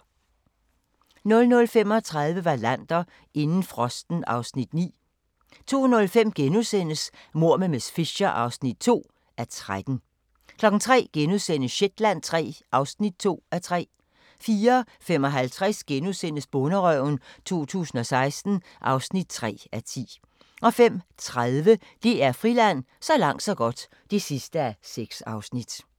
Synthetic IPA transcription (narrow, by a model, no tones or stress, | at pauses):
nɔ̽lnɔ̽lfem̰ɒ̽t͡sʰʁäð̞ˠʋəʋɑ̈læn̰d̥ɐ | e̝nn̩fʁɒ̽sd̥n̩ɑ̈ʊsnid̥nḭː | t͡sʰo̝̰ːnɔ̽lfem̰ɡ̥enusen̰əsmo̝ɐ̰məmesfiɕɐʔɑ̈ʊsnid̥̚t͡sʰo̝̰ː | æɐt͡sʰʁad̥n̩ | kʰlɒ̽ɡ̥n̩t͡sʰʁɛ̰ːɡ̥enusen̰əsɕed̥læn̰t͡sʰʁɛ̰ːʔɑ̈ʊsnid̥̚t͡sʰo̝̰ːæt͡sʰʁɛ̰ː | fiːɐ | fem̰ɒ̽ɦælt͡sʰʁɛsɡ̥enusen̰əsb̥ɔnəʁœʊnt͡sʰo̝̰ːt͡sʰṵːsn̩ɒ̽sɑ̈ɪsd̥n̩ | ʔɑ̈ʊsnid̥̚t͡sʰʁɛ̰ːæt͡sʰḭː | ʔɒ̽fem̰t͡sʰʁaðˠʋə | d̥e̝æɐfʁilæn̰ | sɒ̽lɑ̈ŋ̰d̥sɒ̽ɡ̥ɒ̽d̥ | d̥e̝sisd̥əæseɡ̥sɑ̈ʊsnid̥